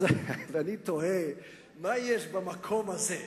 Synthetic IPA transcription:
veanit̪oe | majeʃbamakʰomhaze

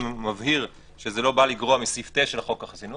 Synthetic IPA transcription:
mavhiʁ | ʃezelo̞baliɡʁoamisift̪eʃelaχo̞kaχasinu

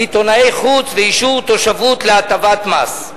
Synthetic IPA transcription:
it̪o̞naejχut͡sveiʃuvt̪o̞ʃavut̪leat̪avat̪mas

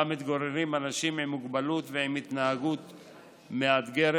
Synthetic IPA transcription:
amit̪ɡoɾeɾimanaʃimimːuɡbalut̪veimit̪naɦaɡut̪ | mead̪ɡeɾ

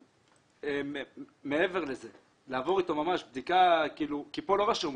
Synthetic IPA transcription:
em | meeve̞ʁleze̞ | laːvo̞ʁit̪o̞mamaʃbd̪ikakiːlukipo̞lo̞ʁaʃum

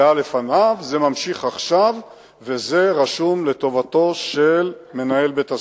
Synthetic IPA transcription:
ale̞fanavze̞mamʃiχaχʃav | ve̞zeʁaʃumle̞t̪o̞vato̞ʃelme̞nae̞lbet̪a

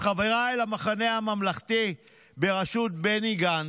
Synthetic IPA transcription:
χaveʁaelamaχane̞hamamlaχt̪i | be̞ʁaʃut̪̚beniɡan

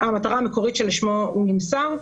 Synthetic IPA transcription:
amataʁaːmeko̞ʁitʃelʃmoumimsaʁ

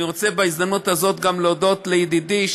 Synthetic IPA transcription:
iʁot͡se̞beizd̪amnut̪hazo̞t̪ɡamleod̪o̞t̪lejid̪id̪iʃ

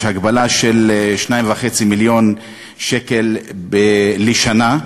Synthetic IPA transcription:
haɡbalaʃelʃnaĩmvaχet͡similjo̞n | ʃekelbeːiʃana

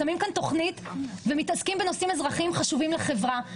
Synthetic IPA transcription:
amimkant̪o̞χnit̪vemit̪askimbe̞no̞simezʁaχimχaʃuvimleχe̞vʁa

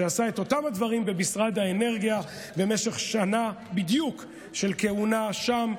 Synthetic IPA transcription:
easae̞to̞tamhadvaʁimbemisʁadaene̞ʁɡija | bemeʃeχʃanabid̪juk | ʃe̞lke̞unaʃam

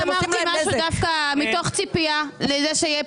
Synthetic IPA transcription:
amaʁt̪imaʃudafkamit̪o̞χt͡sipialezeʃeje

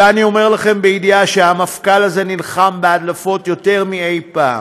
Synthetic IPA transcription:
anio̞me̞ʁlaχe̞mbeidiaʃeamafkalaze̞nilχambead̪lafo̞tjote̞ʁmie̞jpa̰ː

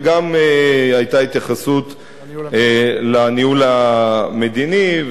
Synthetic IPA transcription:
ɡameajt̪ait̪jaχasut̪ | laniulame̞d̪iniv

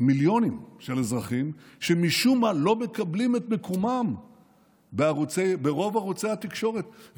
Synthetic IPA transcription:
miljo̞nimʃelezʁaχimʃemiʃumalo̞me̞kablimet̪me̞komam | beaʁot͡sebeʁo̞vaʁot͡sehat̪ikʃo̞ʁe̞t̪v

